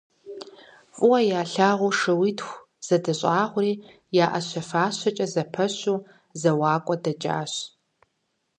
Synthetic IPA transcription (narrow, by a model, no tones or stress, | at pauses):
fʼʊwɐjaːɬaːʁʷʊʂɨwitxʷ | z̥ɐdɐɕʼaːʁʷʊriː | jaːʔɐɕʷɐfaːɕɐt͡ʃʼɐzɐpʰɐɕuː | zɐwaːkʷʼɔdɐd͡ʒʼa̰ːɕ